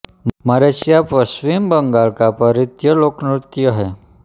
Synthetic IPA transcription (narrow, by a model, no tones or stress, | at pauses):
maɾeɕijapəsʋimbəŋɡaɭkapəɾit̪jəloknut̪ːijəɦe